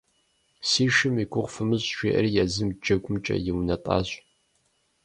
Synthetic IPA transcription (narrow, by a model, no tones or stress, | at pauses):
siːʃɪmiɡʷʊʁʷfɨmɨɕʼʃʷeːʔɐ̰rjazɨmd͡ʒɐɡʷʊmt͡ʃʼɐ̰jɪwnɐtʼa̰ːɕʼ